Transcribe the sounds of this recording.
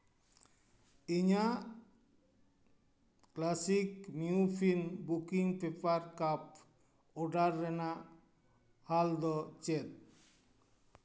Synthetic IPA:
iɲaʔ | klasikmiupʰinbukiŋpɛpaɾkap̚ | ɔɖaɾːɛnaʔ | hald̪ɔt͡ʃɛt̪̚

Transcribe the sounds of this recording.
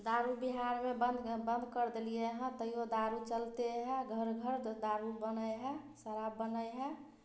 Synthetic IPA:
d̪aɾubiɦaɾmebənd̪bənd̪ʱkəɾd̪elijeɦɛ̃t̪əɦiod̪aɾut͡ʃəlt̪eɦɛ̃ɡʱəɾɡʱəɾd̪aɾubənəjɦɛ | səɾabːənəjɦɛ

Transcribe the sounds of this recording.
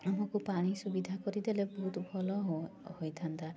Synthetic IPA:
mõkupaɽ̃isubid̪ʱakɔɾid̪elebɔɦut̪ɔbʱɔlɔɦhojt̪ʰant̪a

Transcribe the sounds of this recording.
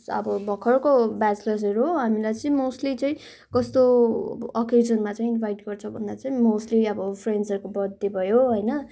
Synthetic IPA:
ʌ̰bʌbʱʌkʰːʌrkobad͡zplʌs̬ʌɾuɦoɦamilajt͡sʌĩmosʈlit͡sʌĩ | kʌst̪oː | ked͡zʌnmat͡saĩinbʱajʈɡʌrt͡sʰʌbʱʌnd̪at͡saĩmosʈliʌbʌpʰrensʌɾkobʌd̪ʱːebʱʌjoɦʌjnʌ

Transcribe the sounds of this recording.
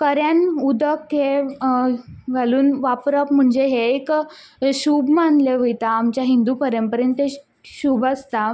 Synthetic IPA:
kəɾjanud̪əkɦe | ʋaluːnʋapɾəpm̤əɳd͡zeɦeːk | ɕuːbmanleʋəjt̪aːmt͡ɕjaɦind̪upəɾjəmpəɾjənt̪e | ɕuːbast̪a

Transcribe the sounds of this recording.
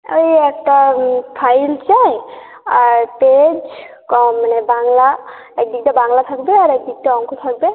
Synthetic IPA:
ojɛk̚ʈapʰajlt͡ʃaj | aɹped͡ʒ | kɔanɛbaŋla | ɛk̚dik̚tabaŋlat̪ʰak̚bɛaɾɛk̚dik̚taɔŋkʰɔt̪ʰak̚bɛ

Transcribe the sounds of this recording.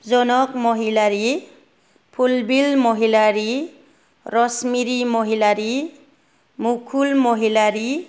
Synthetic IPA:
d͡zɔnɔkmɔɦilaɾi | pʰulbilmɔɦilaɾi | rɔsmiɾimɔɦilaɾi | mukʰulmɔɦilaɾi

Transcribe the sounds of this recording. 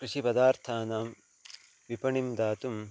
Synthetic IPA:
kɾiʂipɐd̪aːɾt̪ʰaːnaːm | ʋipɐɳimd̪aːt̪um

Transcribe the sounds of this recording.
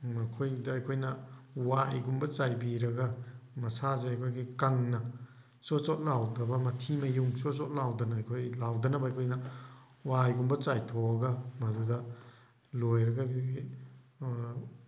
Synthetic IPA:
mɐkʰojdɐːjkʰojnɐwajɡumbɐt͡ʃajbiɾɐɡɐmɐsazeajkʰojɡikaŋnɐ | t͡ʃot͡ʃot̚lawdɐbɐmɐtʰimɐjuŋt͡ʃosot̚lawdɐnɐɐjkʰojlawdɐnɐbɐajkʰojnɐ | wajɡumbɐt͡ʃajtʰoɐɡɐmɐdudɐ | lojɾɐɡakʰɡi

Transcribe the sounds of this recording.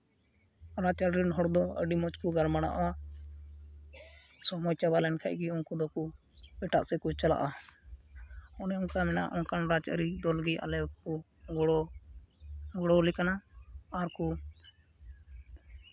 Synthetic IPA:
ɾat͡ʃaɾɾinɦɔɽd̪ɔə̰ɖimɔt͡ʃkuɡaɾmaɽa̰ʔwa | sɔmɔjt͡ʃabalɛnkʰaʔɡiɔnkɔd̪ɔku | pɛʈa̰ʔsɛkut͡ʃala̰ʔa | ɔnɛɔkamɛna̰ʔɔnkanɾad͡ʒə̰ɾid̪ɔlɡia̰lɛku | ɡɔɽɔ | ɡɔɽɔlikanaːɾku

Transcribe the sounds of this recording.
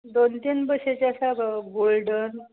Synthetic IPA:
d̪ont̪iːnbəɕet͡ɕasaɡolɖən

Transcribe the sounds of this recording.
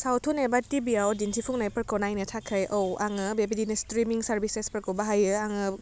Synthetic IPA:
sawtʰunebatibiawdintʰipʰuŋnajpəɾkɔnajnɯtʰakʰɯjʔowaŋɯbebidinɯstɾimiŋsaɾbisespəɾkowbaɦajɯaŋɯ

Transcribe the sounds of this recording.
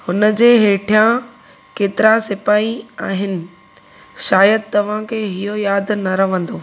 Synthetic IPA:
hʊnə̆d͡ʑeːɦeːʈʰijã | keːt̪ɪɾãsɪpaːiaːɦɪnɪ̆ | ʃaːjəd̪̚t̪ɐʋ̤ãkʰeːɦɪɦojaːd̪ʱnɐɾɐʋ̤ə̃nd̪oː

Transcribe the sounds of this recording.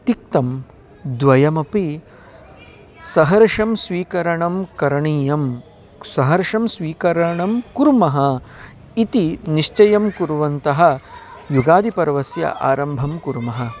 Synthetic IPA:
t̪ik̚t̪ɐm | d̪ʋɐjɐmɐpi | sɐɦɐɾʂɐmsʋiːkɐɾɐɳɐmkɐɾɐɳiːjɐm | sɐɦɐɾʂɐmsʋiːkɐɾɐɳɐmkuɾmɐɦɐ | it̪iniʂt͡ʃɐjɐmkuɾʋɐnt̪ɐɦɐ̆juɡaːd̪ipɐɾʋɐsjɐ̰ʔa̰ːɾɐmbʱɐmkuɾmɐɦɐ̆

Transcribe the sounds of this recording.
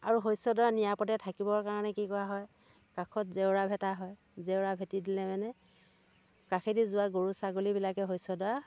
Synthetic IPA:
aɹuɦojsɔdɔanijapɔtɛtʰakibɔɹkaɹɔnɛkikɔwaɦɔj | kakʰɔtzewɹabʱɛtaɦɔj | zewɹabʱɛtidilɛmɛnɛ | kakʰedizʊwaɡoɹusaɡolibilakɛɦojsɔdɔa

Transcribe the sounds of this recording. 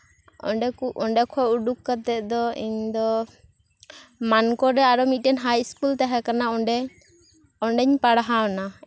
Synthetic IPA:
ɔ̰ɖɛkuɔɳɖɛkʰɔuɖukːat̪ɛʔ̚d̪ɔiɲd̪ɔ | mankɔɾɛaɾɔmit̪̚ˀʈɛnɦajskult̪aɦɛkanaɔɖɛ | ɔɳɖɛɲpaɽaɦaɔna

